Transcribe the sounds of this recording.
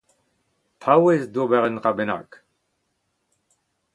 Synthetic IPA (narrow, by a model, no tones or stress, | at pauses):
pʰawezdobɛʁənʁabena̰k